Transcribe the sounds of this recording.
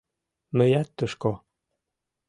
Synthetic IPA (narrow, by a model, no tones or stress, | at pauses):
mɘ̆jæt̪ːə̆ʃko